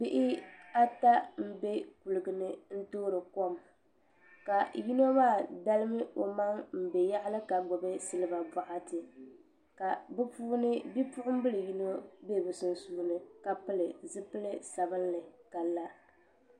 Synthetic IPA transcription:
bɪ˦ʔɪ˦a˦ta˦m̩˦be˦ku˨lɨ˨ɡɨ˨nɨ˦n̩˦toː˦ɾɨ˨ko˦m | ka˨ji˦no˦maː˦˨da˦lɨ˦mɨ˦ʔo˨ma˦ŋm̩˨be˨ja˦ʔɪ˦lɨ˦ka˨ɡ͡bɔ˨bɛ˦sɨ˦lɨ˦ba˨ba˨ʔa˦tɨ˨ | ka˨bɨ˦puː˦nɨ˦bi˦pʊ˦ʔʊ˦m̩˦bɨ˦lɨ˨ji˦no˦be˦bɨ˨sɨ˨n˦suː˦nɨ˨ka˨pɨ˦lɨ˨zɨ˦pɨ˦lɨ˦sa˨bɨ˦nlɨ˨ka˨la˦

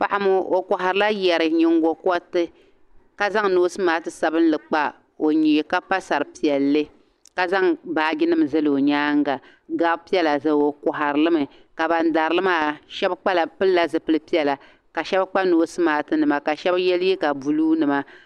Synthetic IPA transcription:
pa˨ʔa˦mʊ˦o˨kʊ˨ɦa˨ɾɨ˦la˦jɛ˨ɾɨ˨ɲɪ˨ŋɡɔ˨kɔ˦tɨ˦ | ka˦za˦ŋnoː˦sɨ˦maː˨˦tɨ˨sa˨bɨ˦n˦lɨ˨k͡pa˦ | o˨ɲi˨ka˦pa˦sa˨ɾɨ˨pi˨ɛ˨lːɨ˦ | ka˦za˦ŋbaː˨˦˨ɡɪ˦nɨ˦m˨zɨ˦lɨ˨o˨ɲaː˦ŋ˦ɡa˨ | ɡaː˦bpi˦ɛ˦la˨zɨ˦˨o˨kʊ˨ɦa˨ɾɨ˨lɨ˦mɨ˨ | ka˨ba˨n˦da˨ɾɨ˨lɨ˦maː˦˨ʃɛ˦bk͡pa˦la˨pɨ˦lla˦˨zɨ˨pɨ˦lɨ˦pi˦ɛ˨la˨ | ka˨ʃɛ˦bk͡pa˦noː˨˦sɨ˦maː˨˦tɨ˦nɨ˨ma˨ka˨ʃɛ˦bjɛ˦ljɛ˦ka˨bu˨luː˦nɨ˨ma˦

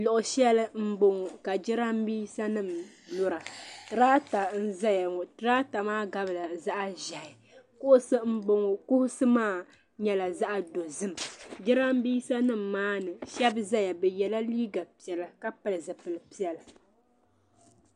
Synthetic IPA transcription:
lʊ˨ʔʊ˨ʃɛ˦lɨ˦m̩˦bo˦˨ŋ˨ka˨d͡ʒɪ˦ɾa˦mbiː˦sa˦nɨ˦˨m | nʊ˦ɾa˨tɨ˨ɾaː˦ta˨n̩˦za˦ja˨tɨ˦ɾaː˦ta˨maː˦ɡa˦bɨ˨la˨za˦ʔa˦ʒa˨ɪ˨ | kʊ˦ʔʊ˦sɨ˦m̩˦bo˦ŋ˨kʊ˦hʊ˦sɨ˦maː˦˨ | ɲɛ˦la˨za˦ʔa˨do˨zɨ˦md͡ʒɪ˦ɾa˦m˦biː˦sa˦nɨ˦m̩ːaː˦nɨ˨ʃɛ˦bza˦ja˨bɛ˨jɛ˨la˦liː˦ɡa˨pi˨ɛ˨la˨ka˦pɨ˨lɨ˨zɨ˨pɨ˨lɨ˨pi˦ɛ˦lɨ˨

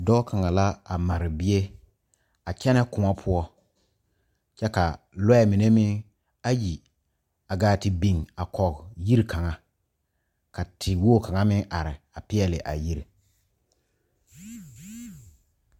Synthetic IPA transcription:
dɔː˦ka˨ŋa˨la˦a˨ma˨ɾɪ˨bɪ˦e˦ | a˨kɛ˦nɛ˦kʊ˨ma˦pʰʊ˦ɔ˦ | t͡ʃɛ˦ka˨ | lɔ˦ɛ˦˨mi˨ne˦mɪ˦ | a˦ji˨ | a˨ɡaː˦tɪ˨bi˨ŋa˨kɔ˨kji˦ɾi˨kʰa˨ŋa˨ | ka˨tʰɪ˨woː˦˨ka˨ŋa˦mɪ̃˦ŋʔa˨ɾɪ˨a˨pɪ˦ɛ˦lɪ˨ʔa̰˨ji˦ɾi˨

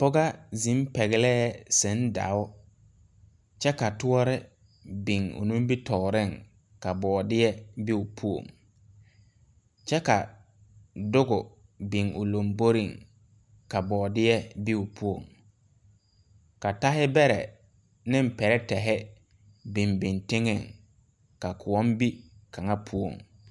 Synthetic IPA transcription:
pʊ˦ɡa˦zi˨˦m˦pɛ˨ɣɪ˨lɛː˦sɪ˨n˦da̰˨˦ʊ˦ | t͡ʃɛ˦ka˨tʊ˦ɔ˦ɾɪ˦ | bɪ˨ŋʊ̰˨nũ˦m˦bi˦tɔ˨ɾɪ˦˨ŋ | ka˨bɔː˨dɪ˦jɛ˦bi˦ʊ˨pʰu˦o̰˨ŋ | t͡ʃɛ˦ka˨ | dʊ˦ɡʊ˨bi˨ŋʊ̰˨lo˨mbo˦ɾi˦˨ŋ | ka˨bɔː˨dɪ˦jɛ˦bi˦ʊ˨pʰu˦o̰˨ŋ | ka˨ta˦ɦɪ˦bɛ˦ɾɛ̰˨ | nɪ̃˦m˦pɛ˨ɾɛ˦tɛ˨ɦɛ˦ | bi˨mbi˨ntɪ˦ŋɪ˨ŋ | ka˨kʰʊ˨ɔ˦mbi˦ka˨ŋa˦pʰu˦o̰˨ŋ

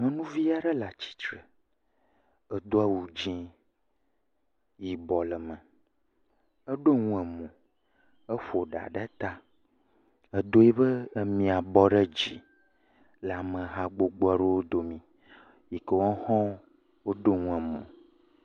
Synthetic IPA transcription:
mə̃˨nũ˦vi˦a˦ɖə˦la˨t͡ɕi̥˦t͡ʃɾə˨ | ə˨d̪o˦a˦wu˨d͡ʑĩ˦ | ji˨bɔ˨lə˨mə̃˨ | ə˦ɖo˦ŋũ˦ɛ˨mõ˨ | ə˦ɸo˨ɖa̰˨ɖa˦t̪a˦ | ə˨d̪o˦je˦bə˦mĩ˨a˨bɔ˦ɖə˦d͡ʑḭ˨ | la˨mə̃˨ɦa˨ɡ͡bo˦ɡ͡bo˦a˦ɖe˦wo˦d̪o˨mĩ˨ | ji˨kə˨wɔ̃˦hɔ̃˦ | wo˦ɖo˦ŋũ˦ɛ˨mõ̰˨

